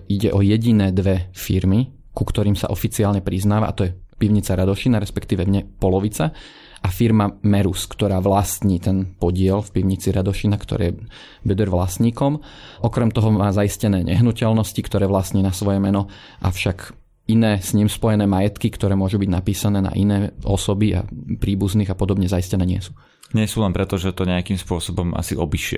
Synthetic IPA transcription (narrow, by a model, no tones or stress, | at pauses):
iɟɛʔɔjɛɟinɛːd̪ʋɛfiɾmi | kukt̪ɔɾiːmsa̰ʔɔfit͡siaːlɲɛpɾiznaːʋa̰ʔa̰t̪ɔjɛpiʊɲit͡saɾad̪ɔʃinaɾɛspɛkt̪iːʋɛmɲɛpɔlɔʋit͡sa | ʔafiɾmamɛɾuskt̪ɔɾaːʋlast̪ɲiːt̪ɛnpɔɟɪɛlfpiʊɲit͡siɾad̪ɔʃinakt̪ɔ̰ɾɛ̰ːjɛ | bɛd̪ɛɾʋlasɲiːkɔmʔɔkɾɛmt̪ɔɦɔmaːzaiscɛnɛːɲɛ̰ɦnucɛlnɔscikt̪ɔɾɛːʋlast̪ɲiːnasʋɔjɛmɛnɔ | ʔafʃak | inɛːsɲimspɔjɛnɛːmajɛt̪kikt̪ɔɾɛːmʊɔʒubiɟnapiːsanɛːna̰ʔinɛːʔɔ̰sɔbia̰pɾiːbuzniːɣapɔd̪ɔbɲɛzaiscɛnɛːɲɪɛ̰su̥ː | ɲɪɛsuːlɛnpɾɛt̪ɔʒɛt̪ɔɲɛakiːmspʊɔsɔbɔma̰siɔbiʃɪɛ̰